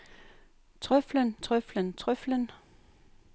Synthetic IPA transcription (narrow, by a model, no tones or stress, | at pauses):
t͡sʰʁœflənt͡sʰʁœflənt͡sʰʁœflən